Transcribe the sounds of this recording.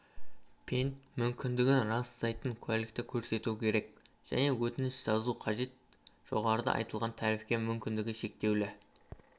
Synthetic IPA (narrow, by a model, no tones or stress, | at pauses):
pʰent̪mʏmkʲɪnd̪ɪɡʲɪɾɑszɑjt̪əŋkʲʰælɪk̚t̪ɪkʲʰɵɾse̞t̪ukʲʰe̞ɾe̞k | ʒ̥æ̰ne̞wɵt̪ɪnɪsʒ̥ɑzuqʰɑʒe̞t̪̚ | ʒ̥o̞̰ʁɑɾəd̪ɑ̰ʔɑ̰jt̪əlˠʁɑnt̪ʰæɾɪfkʲe̞mʏmkʲɪnd̪ɪɡʲɪʃe̞k̚t̪e̞wlɪ